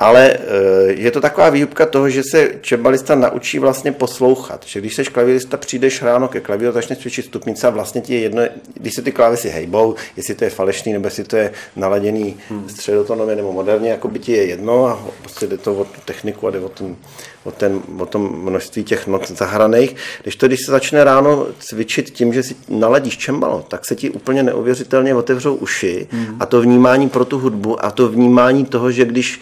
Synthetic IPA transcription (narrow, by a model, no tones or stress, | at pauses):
ʔalɛ | jɛt̪ot̪akovaːviːɦupkat̪o̞ɦoʒɛsɛt͡ʃɛbalɪst̪anaʔṵt͡ʃḭːvlast̪ɲɛpo̞slo̞wxa̰t̪ʒ̥ɛɡdɪʃsɛʃklavɪlɪst̪apr̝̥iːdɛʃɦɾaːnokɛklavɪɾuzat͡ʃnɛsvjɛt͡ʃɪt̪st̪upɲɪt͡sɛavlast̪ɲɛcɪjɛjɛdnoɡdɪʃsɛt̪ɪklaːvɪsɪɦɛ̰jbo̞wjɛslɪt̪ojɛfalɛʃniːnɛbojɛslɪt̪ojɛnalaɟɛniːst̪r̝̥ɛdot̪onomɪnɛbo̞mo̞dɛɾɲɛjako̞bɪcɪjɛjɛdno̞apɾoscɛdɛt̪ovot̪u̥t̪ɛxnɪkuadɛvot̪m | vot̪ɛnvot̪omːnoʃst̪viːcɛxnot͡szaɦɾanɛjxɡdɪʃt̪oɡdɪʃsɛzat͡ʃnɛɾaːno̞t͡svɪt͡ʃɪt̪cɪmʒɛsɪnalaɟiːʃt͡ʃɛmba̰lo̰t̪aksɛcɪʔṵːpl̩ɲɛnɛ̰ʔṵvjɛrɪt̪ɛlɲɛvo̞t̪ɛvr̝owʔuʃɪʔat̪o̞vɲiːmaːɲiːpɾo̞t̪uɦudbuʔa̰t̪ovɲiːmaːɲiːt̪o̞ɦoʒɛɡdɪʃ